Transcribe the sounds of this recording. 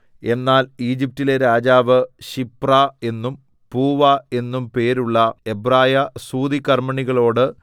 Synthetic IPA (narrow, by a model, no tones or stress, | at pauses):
e̞nːaːliːd͡ʑip̚tile̞ɾaːd͡ʑaːʋɨɕiprae̞nːum | puːʋɐe̞nːumpe̞ːɾuɭːɐe̞braːjɐsuːd̪ikɐrmɐɳiɣɐɭo̞ːɽɨ